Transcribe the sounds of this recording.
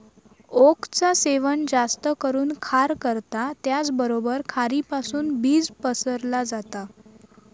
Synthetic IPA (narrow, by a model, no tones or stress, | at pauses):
okt͡saseʋənd͡zast̪əkəɾuːnkʰaɾkəɾt̪at̪jat͡sbəɾobəɾkʰaɾipasuːnbiːd͡zpəsəɾlad͡zat̪a